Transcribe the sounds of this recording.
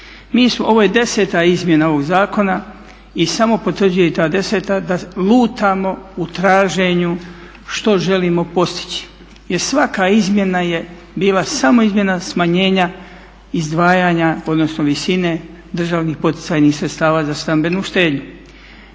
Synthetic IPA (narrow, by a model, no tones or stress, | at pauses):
miːsmoʔo̞ʋo̞ːjed̪e̞se̞ːt̪aizmje̞nao̞ʋo̞ɡzaːko̞na | isamo̞po̞t̪ʋr̩d͡ʑujeit̪aːd̪e̞se̞ːt̪ad̪aluːt̪amo̞ut̪ɾaːʒe̞ɲu | ʃt̪o̞ʒe̞liːmo̞po̞st̪i̥t͡ɕi̥ | je̞ɾsʋakaizmje̞naje̞ | biːlasamo̞izmʲje̞nasmaɲe̞ːɲa | izd̪ʋaːjaːɲao̞d̪nosno̞ʋisine̞ | d̪r̩ʒaːʋnixpo̞t̪i̥t̪sajnisɾet̪st̪aːʋaːzast̪ambe̞nuːʃt̪e̞ːd̪ɲu